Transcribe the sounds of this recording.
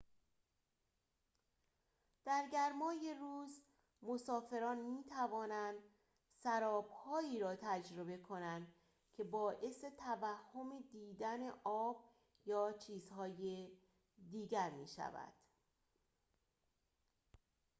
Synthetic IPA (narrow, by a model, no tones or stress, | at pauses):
d̪̥æɾɟæɾmɒːje̞ruːz | mo̞sɒːfe̞ɾɒːnmiːt̪ʰævɒːnænd̪ | sæɾɒːb̥hɒːiːɾɒːt̪ʰæd͡ʒɾo̞be̞kʰo̞nænd̪ | cʰe̞bɒːʔe̞se̞t̪ʰævæhːo̞med̪iːd̪æne̞ʔɒːb̥̚ | jɒːt͡ʃʰiːzhɒːje | d̪iːɟæɾmḭːʃæ̰væ̰d̪̥